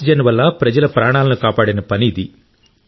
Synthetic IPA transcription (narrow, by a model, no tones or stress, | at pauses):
id͡ʒɐnʋɐlːɐpɾɐd͡ʒɐlɐpɾaːɳaːlɐnukaːpaːɽɐnɐpɐniːd̪i